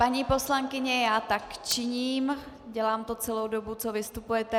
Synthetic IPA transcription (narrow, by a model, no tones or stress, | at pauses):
paɲipo̞slaŋkɪɲɛjaːt̪akt͡ʃɪɲiːm | ɟɛlaːmt̪o̞t͡sɛlowdobut͡so̞vɪst̪upujɛt̪ɛ